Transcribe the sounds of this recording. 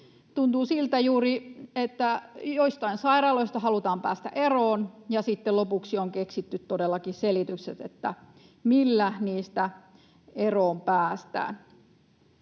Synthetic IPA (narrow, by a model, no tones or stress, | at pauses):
t̪unt̪uːsilt̪æjuːriet̪ːæjoist̪ɑinsɑirɑːloist̪ɑhɑlut̪ɑːmpæ̰ːst̪æ̰ʔeroːnjɑsit̪ːelopuksioŋkeksit̪ːyt̪t̪odelːɑkiselit̪ykset̪ḛt̪ːæ | milːæniːst̪æ | eroːmpæːst̪æ̰ːn